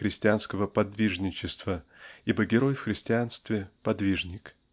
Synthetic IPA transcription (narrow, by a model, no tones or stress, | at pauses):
ɾʲɪsʲtʲɪanskəvəpɐd̪vʲiʐnʲɪt͡ɕɪst̪vəibəɡʲɪɾo̞jfxɾʲɪsʲtʲɪanst̪vʲɪpɐd̪vʲiʐnʲɪk